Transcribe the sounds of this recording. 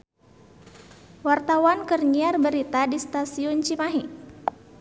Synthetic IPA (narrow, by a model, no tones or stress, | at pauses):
wart̪awankərɲiarbəɾit̪adist̪asiʊnt͡ʃimaɦi